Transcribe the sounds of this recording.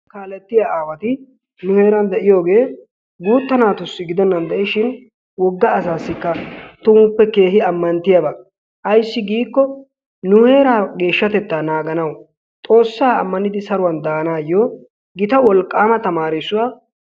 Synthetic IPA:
kaːlɛt̪ːɪjaaːwɐt̪ɪ | nʊhe̞ːɾɐnd̪ɛʔɪjo̞ːɡe̞ː | ɡuːt̪ːɐnaːt̪ʊsːɪɡɪd̪ɔnːɐnd̪ɛʔɪʃɪn | wɔɡːɐːsaːsːɪkːɐt̪ʊmpːɛke̞ːɦɪɐmːɐnt̪ɪjɐbɐ | ʔɐjsːɪɡiːkːɔ | nʊhe̞ːɾaːɡe̞ːʃːɐt̪ɛt̪ːaːnaːɡɐnɐw | t̪ʼo̞ːsːaːɐ̰mːɐnɪd̪ɪsɐɾʊwɐnd̪aːnaːjːoː | ɡɪt̪ɐwɔlkʼːaːmɐt̪ɐmaːɾɪsːʊwaː

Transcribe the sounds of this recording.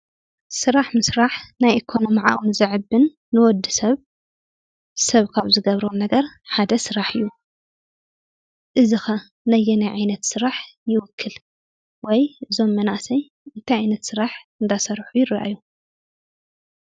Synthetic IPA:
sɨɾaħmɨsɾaħnajʔikʰo̞no̞miʕa̰ʔʼunzɨʕɨbːɨnː | ɨwɔd̪ɨsɐβ | sɐβkʰaβzɨɡɐβɾonɐɡɐɾħad̪ɐsɨɾaħɨjːu | ʔɨzɨxɐ | nɐjːɛnajʕajnɐt̪sɨɾaħjɪwʊkʰːɨl | wɔjɨzo̞mːɐnasɐj | ɨnt̪ʰajʕajnɐt̪sɨɾaħɨnd̪asɐɾħujɪraʔa̰jːu

